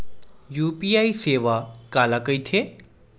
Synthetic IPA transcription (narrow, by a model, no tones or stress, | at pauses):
juːpiːaːiseːʋakaːlakəit̪ʰe